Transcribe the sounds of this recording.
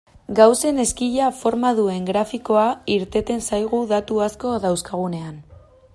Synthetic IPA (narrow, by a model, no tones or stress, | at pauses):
ɡawse̞ne̞skiʎafo̞ɾmaðue̞ŋɡɾafiko̞aiɾt̪e̞t̪e̞nsajɣ̞uðat̪uasko̞ðawskaɣ̞une̞an